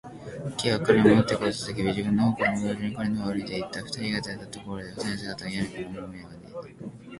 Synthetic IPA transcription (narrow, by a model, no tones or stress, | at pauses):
kʲiβakɯɾemot̪ːekosɨ̥t̪ek̬ʲibʲiʑibɯ̟̃nːohokoɾomoɡɯɾɯɲikoɾenoβaɾɯ̟id̪eit̪ːaɸɯ̟̥t̪aɾʲiɡat̪aet̪ːat̪o̞ko̞ɾo̞d̪e̞osẽns̬eːɡat̪ːaɡajaɾɯkemomomoebad̪eit̪a